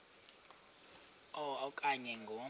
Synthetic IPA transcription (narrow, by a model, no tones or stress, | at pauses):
ɔɔkʼaɲɛŋɡʱo